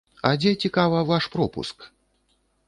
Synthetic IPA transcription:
ɐd͡zʲɛt͡sʲikavɐvaʂpɾɔpṵsk

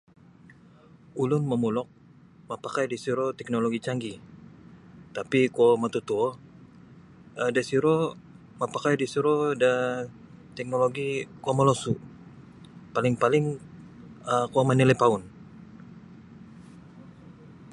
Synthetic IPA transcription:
ulʊnməmulɔk̚ | mapakajdisiɾot̪ɛk̚noloɡit͡ʃaŋɡi | t̪apikomat̪ut̪uɔ | ədasiɾo | mapakajdisiɾoda | t̪ɛk̚noloɡikomalosu | palɪŋpalɪŋ | əkuamanilɛpaʊn

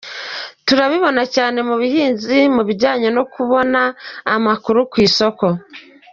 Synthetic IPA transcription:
tuɾaβiβo̞nacaːne̞muβihiːnzimuβiɾɟaːɲono̞kuβo̞naːmakuɾukwiːso̞ko̞

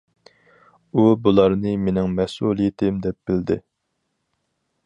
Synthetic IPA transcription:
ubulˠɑɾnɨmenɪŋmɛsulˠijɪt̪ʰɪmd̪ɛp̚b̥ɪld̪ɪ

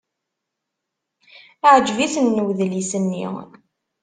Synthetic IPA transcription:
ʕəd͡ʒvisənːəwðlisənːḭ

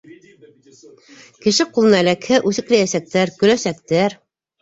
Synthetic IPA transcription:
kɘ̆ʃɘqulˠɤ̆nɑlækhɘʔʉθɘ̆klæjæsæk̚t̪æɾkɵ̆læsæk̚t̪æɾ

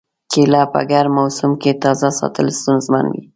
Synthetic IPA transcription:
kʰelɑpa̰ɡaɾmawsʊmket̪ɑzasɑ̰t̪əlst̪unzma̰nwḭ

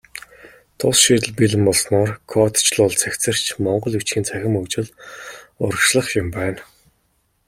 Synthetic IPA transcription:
t̪ʰʊsʃiːt̪ɘ̆ɮpiɮɘ̆mɔɮsnɔːrkʰɔt̪t͡ɕɮʊːɮt͡sʰækʲt͡sɘ̆r̥t͡ɕʰmɔɴɢɞ̆ɮɵt͡ɕxiːnt͡sʰæxʲɪ̆mɵkt͡ɕɪ̆ɮ | ʊɾə̆ʃɮə̆χjʊmpæːn

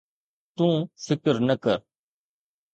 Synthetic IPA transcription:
t̪ũːfʰɪkəɾnəkəɾ

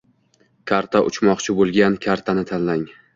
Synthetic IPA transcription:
kʲʰaɾt̪ʰaʔʊ̰t͡ʃʰmɒqt͡ʃʰɪbolˠɡʲankʲʰaɾt̪ʰanɪt̪ʰanlaŋ

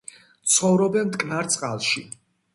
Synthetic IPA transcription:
t̪sʰχɔvɾɔbɛnmt̪kʼnaɾt̪sʼqʼalˠʃi

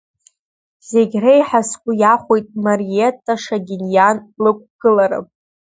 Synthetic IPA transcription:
ze̞ɡʲrajħaskʷʼʊjaχʷojtʼmarietʰʼːaʂaɡʲinjanlɨkʷʼɡ̥ɨlaɾɨ̰pʼ

